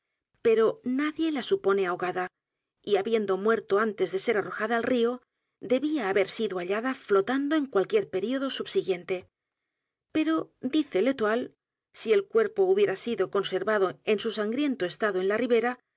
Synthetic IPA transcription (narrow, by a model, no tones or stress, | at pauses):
pe̞ɾo̞naðje̞lasupo̞ne̞aoɣaða | iaβje̞nd̪o̞mwe̞ɾt̪o̞ant̪e̞zðe̞se̞ɾaro̞xaðoːlrio̞ | d̪e̞βiaːβe̞ɾsiðoaʎaðaflo̞t̪and̪o̞e̞ŋkwalkje̞ɾpe̞ɾio̞ð̞o̞suβsiɣje̞nt̪e̞ | pe̞ɾo̞d̪iθe̞le̞t̪wal | sielkwe̞ɾpo̞uβje̞ɾasiðo̞ko̞nse̞ɾβaðo̞e̞nsusaŋɡɾje̞nt̪oe̞st̪aðoe̞nlariβe̞ɾa